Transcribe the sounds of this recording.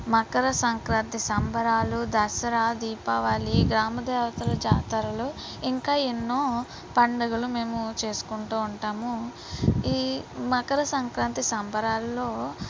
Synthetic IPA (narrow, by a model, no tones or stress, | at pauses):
mɐkɐɾɐsɐŋkɾaːnt̪isɐmbʱɐɾaːlud̪ɐsɐɾaːd̪iːpaːʋaːliɡɾaːmɐd̪ɛːʋɐt̪ɐlɐd͡ʒaːt̪ɐɾɐlu | iŋkaːenːoː | pɐɳɖɐɡulume̞ːmut͡ʃe̞ːsu̥kuɳʈuːuɳʈaːmu | iːmɐkɐɾɐsɐŋkɾaːnt̪isɐmbʱɐɾaːlːo̞ː